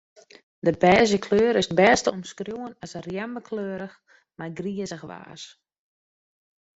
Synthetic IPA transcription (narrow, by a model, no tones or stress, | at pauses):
dəbɛːzəkʰløːɾɪsbɛːstəomskrjuwənasərjɛmbəkʰløːɾəx | majɡriəzəxʋa̰ːs